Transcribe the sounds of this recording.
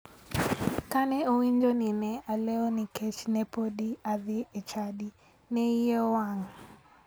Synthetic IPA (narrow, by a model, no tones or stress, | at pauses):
kanɛowiɲd͡ʒɔninɛalɛɔnikɛt͡ʃnɛpodiaðiet͡ʃaɗi | nɛijɔwaŋ